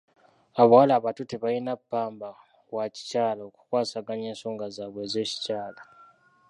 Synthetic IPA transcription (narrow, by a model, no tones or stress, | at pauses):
aβawalaːβatuteβajinapːaːmba | waci̥caːlaoku̥kwaːsaɡaɲeːnso̞ːŋɡazaːβwe̞ːze̞ːci̥caːla